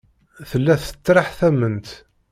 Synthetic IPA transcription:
θəlːæθə̥t͡sːɾɑħθæmənt̪

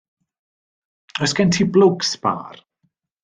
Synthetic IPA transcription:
əsɡ̥ɛntʰiblʊksb̥a̰ːr

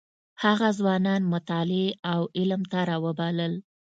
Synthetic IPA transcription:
haɣazwɑnɑnmʊt̪ɑleawɪlmt̪aɾɑwəbɑləl

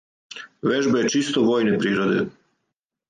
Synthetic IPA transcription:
ʋeʒbajet͡ʃist̪oʋo̞ːjnepɾiːɾod̪ḛ

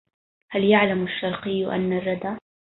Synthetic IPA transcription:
haljaʕlamaʃːɑɾˤqɨjːʔa̰nːarˤːɑd̪aː

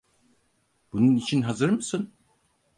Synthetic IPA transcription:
b̥ununit͡ʃʰinɦazɯɾmɯsɯn

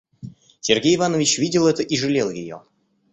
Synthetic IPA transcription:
sʲerɡʲejɪvanəvʲɪt͡ɕvʲidʲɪlˠɛt̪əʔiʐɨlʲelˠjɪjo̰

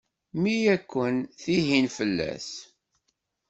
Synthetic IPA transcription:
mijækʷːənθiɦinfəlːæ̰s

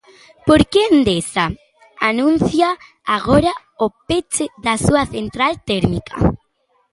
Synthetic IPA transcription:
poɾkeend̪esa | anũn̟θja | aɣoɾa | opet͡ʃeðasuɐθent̪ɾalt̪eɾmikʰɐ̰

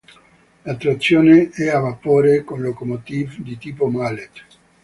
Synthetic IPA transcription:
lat̪ɾat̪sːjoːneɛavapoːɾekonlokomot̪iːvd̪it̪iːpomalet̪

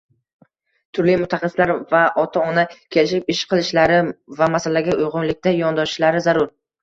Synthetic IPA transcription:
t̪ʰʊɾlimʊt̪ʰːaχɑslaɾvaʔɒt̪ʰaɒnakʲʰe̞lɪʃɪp̚ɪʃqʰɨlˠɪʃlaɾɪvamasalaɡʲaʊjʁʊnlɪkʲt̪ajɒnd̪ɒʃʃlaɾɪzaɾʊɾ

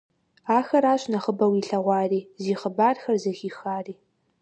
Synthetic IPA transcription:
aːxɐɾaːɕʼnɐχəbɐwiːɬɐʁʷɑːriːziːχəbaːrxɐrzɐxiːxaːriː

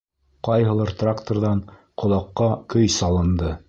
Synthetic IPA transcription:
qɑjɦɤ̆lˠɑɾt̪rakt̪oɾðɑɴqŏlˠɑqːɑkɵjsɑlˠɤ̆nd̪ɤ

